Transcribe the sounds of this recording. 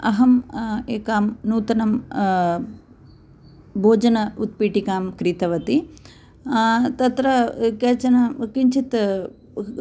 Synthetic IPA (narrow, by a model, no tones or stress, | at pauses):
ɐɦɐmeːkaːmnuːt̪ɐnɐm | bʱoːd͡ʒɐnɐut̪̚piːʈikaːmkɾit̪ɐʋɐt̪i | t̪ɐt̪ɾɐkeːt͡ʃɐnɐkiɲt͡ʃʰit̪